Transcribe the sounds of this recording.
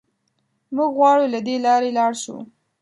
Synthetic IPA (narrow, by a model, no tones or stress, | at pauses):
muɡɣwɑɽulad̪elɑɾelɑɽʃṵ